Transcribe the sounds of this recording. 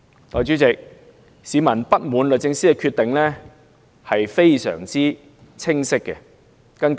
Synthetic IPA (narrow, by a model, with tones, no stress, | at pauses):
t̪ɔː˨˧jt͡ʃyː˨˥t͡sɪ˨k̚ | siː˨˧mɐ˨˩npɐ˥t̚muː˨˥nlɵ˨t͡sɪ˧ŋsiː˥kɛ˧kʰyː˧t̪ɪ˨ŋlɛ˥ | hɐ˨jfe˥jsœ̰ː˨˩ŋt͡siː˥ | t͡sʰɪ˥ŋsɪ˥kːɛ˧ | kɐ˥nk